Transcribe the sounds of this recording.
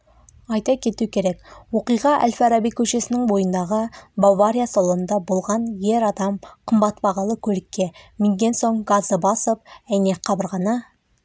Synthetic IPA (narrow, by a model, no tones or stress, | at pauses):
ɑjt̪ɑkʲʰe̞t̪ukʲʰe̞ɾe̞kwo̞qijʁɑʔæ̰lʲfaɾabijkʲʰɵʃe̞sɪnɪŋbo̞jənd̪ɑʁəbavaɾʲijasolˠəənd̪ɑbo̞lˠʁɑnje̞ɾɑd̪ɑmqʰəmbɑt̪bɑʁɑlˠəkʲʰɵlɪkʲːe̞mɪŋd̪ʲe̞nso̞ɴɡazəbɑsəp̚æjneqʰɑbəɾʁɑnɑ